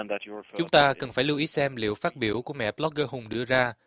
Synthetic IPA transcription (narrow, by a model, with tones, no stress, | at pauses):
ntt͡ɕʊ˨˦ŋ͡mt̪aː˧kə˨˩nfaː˧˩jlɨ˧ʔi˨˦sɛ˧mlḭ˧˨əwfaː˦˥t̚ɓi˧˩əwku˧˩əmɛ̰˧˨ɓlɔ˦˥k̚ɣəː˧ɦʊ˨˩ŋ͡mɗɨ̰˧əzaː˧